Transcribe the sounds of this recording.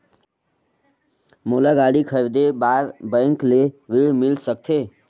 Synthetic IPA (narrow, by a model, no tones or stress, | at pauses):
moːlaɡaːɽikʰəɾd̪ebaːɾbə̃ːŋkleʋɪɽmɪlsək̚t̪ʰeː